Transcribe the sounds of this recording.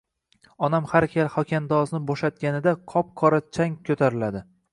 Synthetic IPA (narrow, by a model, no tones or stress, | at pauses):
ɒnamhaɾkʲʰalhɒkʲand̪ɒznɪbɒʃat̪̚ɡʲanɪd̪aqʰɒp̚qʰɒɾat͡ʃʰaŋkʲʰɵt̪ʰaɾɪlad̪ɪ